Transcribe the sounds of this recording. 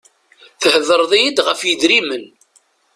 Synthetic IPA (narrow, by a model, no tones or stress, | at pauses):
θəhəðəɾˤðˤijəd̪ʁəfjəd̪ɾimən